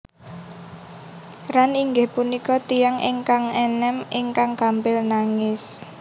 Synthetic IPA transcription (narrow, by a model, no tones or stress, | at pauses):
ɾaniŋɡɪhpunikɔt̪ijaŋʔɪ̰ŋkaŋɛnɛmɪŋkaŋkampɪlnaŋɪs